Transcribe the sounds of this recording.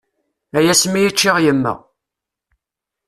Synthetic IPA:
æjæsmijit͡ʃːɪʁjəmːə̰

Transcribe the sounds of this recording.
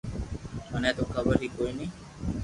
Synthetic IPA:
ənɛ̃ːt̪oːkʰəbəɾiːkoːiniː

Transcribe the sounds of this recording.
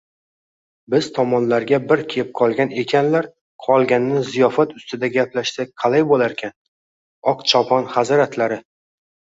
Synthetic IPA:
bɪz̥t̪ʰɒmɒnlaɾɡʲabɪɾkʲʰep̚qʰɒlˠɡʲane̞kʲʰanlaɾ | qʰɒlˠɡʲanɪnɪzijɒfat̪ʊst̪ɪd̪aɡʲaplaʃsak̚ʲqʰɑlajbolaɾkʲʰan | ɒqt͡ʃʰɒpʰɒnhazɒɾat̪ʰlaɾɪ

